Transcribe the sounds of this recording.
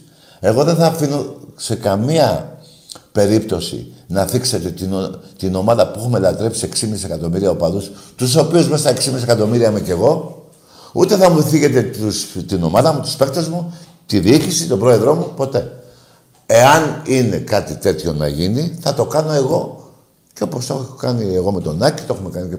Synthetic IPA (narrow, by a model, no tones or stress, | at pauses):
e̞ɣo̞ðe̞nθɐfino̞se̞kɐmiɐ | pe̞ɾipt̪o̞sḭnɐθikset̪e̞t̪inot̪ino̞mɐðɐpuexumelɐt̪ɾe̞psie̞ksimisise̞kɐt̪o̞miɾiɐopɐðust̪us̬o̞piuzmest̪ɐeksimise̞kɐt̪o̞miɾiɐmece̞ɣo̞ | ṵt̪e̞θɐmuθiʝe̞t̪e̞tust̪ino̞mɐðɐmut̪u̥spekt̪ezmu | t̪iðiicisit̪o̞bɾo̞e̞ðɾo̞mupo̞t̪e̞ | e̞ɐnine̞kɐt̪it̪e̞t̪ço̞nɐ̰ʝiniθɐt̪o̞kɐno̞e̞ɣo̞ | ceo̞po̞stokɐnieɣo̞me̞t̪o̞nɐci̥t̪oe̞xumekɐni